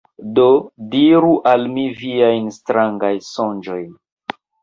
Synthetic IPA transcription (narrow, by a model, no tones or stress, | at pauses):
do̞diɾuʔalmiviajnstɾaŋɡajso̞nd͡ʒo̞jn